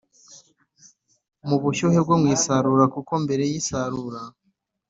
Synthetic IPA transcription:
muβuʃuheb̚ɡomŋiːsaɾuɾakuko̞mbe̞ɾe̞jisaɾuɾa

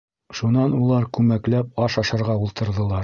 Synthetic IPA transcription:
ʃunɑnulˠɑɾkʉmæklæp̚ɑʃɑʃɤ̆ɾʁɑulˠt̪ɤ̆ɾðɤ̆lˠɑɾ

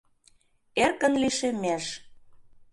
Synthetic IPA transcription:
erkənliʃemæʃ

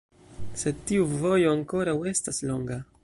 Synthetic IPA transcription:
se̞tiuvo̞jo̞aŋko̞ɾawe̞staslo̞ŋɡa

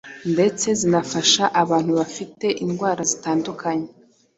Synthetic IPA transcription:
nde̞t͡se̞zinafaʃaʔaβaːn̥huβafite̞ʔinɡwaːɾazitaːndukaɲe

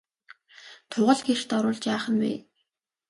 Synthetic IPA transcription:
t̪ʰʊʁə̆ɮɡer̥t̪ɔɾʊːɮt͡ɕjaːχə̆nwḛː

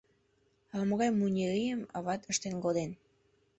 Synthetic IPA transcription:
ɑlməɣɑjmunʲeɾijəmɑ̰βɑt̪əʃt̪eŋɡod̪en

